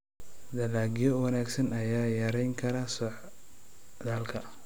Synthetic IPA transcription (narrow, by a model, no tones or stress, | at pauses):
d̪ɐlaːɡjɔwɐnaːɡsɐnɐjaːjɐɾɛjŋkʰɐɾɐsɔħ | d̪aːlkʰɐ